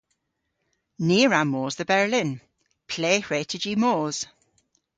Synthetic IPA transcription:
niːɹamoːzðəbɛɹlɪn | pʰl̥eːhɹɛtʰəd͡ʒimoːz̥

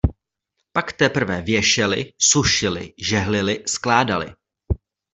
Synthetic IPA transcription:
pakt̪ɛpr̩vɛvjɛʃɛlɪ̰suʃɪlɪ̰ʒɛɦlɪlɪsklaːdalɪ̰

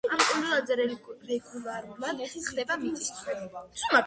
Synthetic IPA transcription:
amkʼunɛlˠad̪zɛɾɛɾɛɡulˠaɾumad̪ɛsisχd̪ɛbamit̪ʼist̪ʰwɛasuma

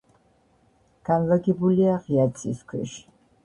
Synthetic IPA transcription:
ɡ̥anvaɡibuliaʁjat̪sʼiskʷʰɛ̰ʃ

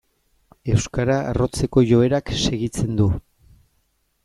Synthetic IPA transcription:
e̞wskaɾaa̰ro̞t͡se̞ko̞ʝo̞e̞ɾakse̞ɣit͡se̞nd̪u

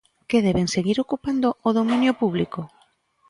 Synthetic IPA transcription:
keðɛβeŋseɣiɾokupand̪ooðomĩnjopuβ̞liko

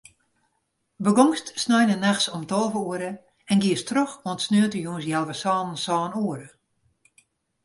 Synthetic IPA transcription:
bəɡɔŋstsnɔjnənaxsɔmtɔlˠvəuəɾə | ɛnɡiəstroxotsnøətəjuə̃nsjɛlˠʋəsɔːnənsɔːnuəɾə

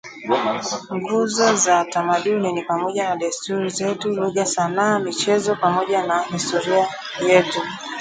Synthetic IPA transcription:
ŋɡuzɔzatamaɗuninipamɔʄanaɗastuɾizɛtuluɣasanaːmit͡ʃɛzɔpamɔʄanahistɔɾia | jɛtu

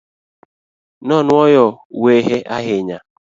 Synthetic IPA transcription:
nɔnʊɔjɔ | weɦeʔaɦɪɲa

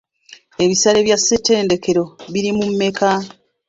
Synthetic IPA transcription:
e̞βisaleβjasːete̞ːnde̞ke̞ɾo̞βiɾimumːe̞kʰa

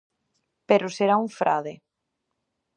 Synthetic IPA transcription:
peɾʊseɾauɱfɾʔa̰ðe

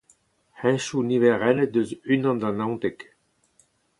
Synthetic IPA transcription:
hɛ̃ʃunivɛʁɛləd̪øzynɑ̃d̪ɑ̃nãw̃t̪ɛk

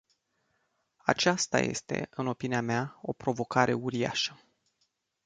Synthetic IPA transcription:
a̰t͡ʃast̪a̰je̞̰st̪e̞̰ʔɨno̞piniameao̞pɾo̞vo̞kaɾʔe̞uɾia̰ʃə̥

